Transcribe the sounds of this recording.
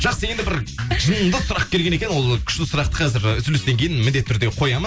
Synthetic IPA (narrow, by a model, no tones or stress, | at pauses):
ʒ̥ɑqsəje̞nd̪ɪbɪɾʒənəmd̪əsʊɾɑq̚kʲʰe̞ɾɡʲe̞ne̞kʲenwo̞lˠkʲʰʏ̥ʃt̪ɪsʊɾɑqt̪əqʰɑzɪɾʏzʏlʏst̪e̞ŋkʲʰe̞jɪnmɪnd̪e̞t̪ʰːʏɾd̪e̞qʰo̞jɑm